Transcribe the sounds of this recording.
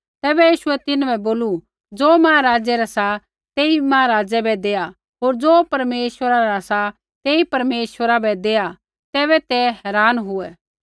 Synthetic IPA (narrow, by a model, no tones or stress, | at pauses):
t̪ɛːbɛjiːʃʊɛt̪ɪnbʱɛboːlu | d͡zoːmaːɾaːd͡ʒɛɾasa | t̪eːimaaɾaːd͡ʒɛbɛd̪eːa | ɦoːɾd͡zoːpɐɾmeːʃwəɾaɾasa | t̪eːipɐɾmeːʃwəɾabɛd̪eːa | t̪ɛːbɛt̪ɛɦɛːɾaːnɦʊɛ